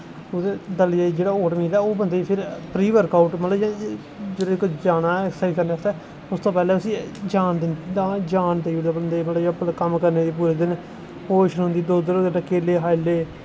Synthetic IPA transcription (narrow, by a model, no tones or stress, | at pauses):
ʊd̪eːd̪əlad͡ʒeːɽaːoːʈmiːd̪ɛːoːbənd̪eːiːpʰɪɾpɾiːʋəɾkaːʊʈmət̪ləbjãː | d͡ʒeːdoɪkod͡ʒaːnaːɛksaikəɾneːʊst̪ɛː | ʊst̪õːpɛːlɛːəsĩːd͡ʒaːnd̪ɪnd̪ãːd͡ʒaːnd̪eiud̪aːbənd̪eːiːmət̪ləbjpːt̪akəmkəɾneːd̪iːp̬uːɾeːd̪ɪn | poːʃənɦʊ̃nd̪iːd̪oːd̪ɾoəʈakeːleːɦaːleː